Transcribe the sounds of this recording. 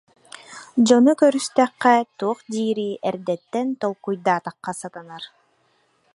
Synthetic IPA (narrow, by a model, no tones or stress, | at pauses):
d͡ʑɔnukœɾyst̪ɛqːɛt̪uːqd̪iːɾiʔɛɾd̪ɛt̪ːɛnt̪ɔlˠkujd̪aːt̪aqːɑsat̪ɯnaɾ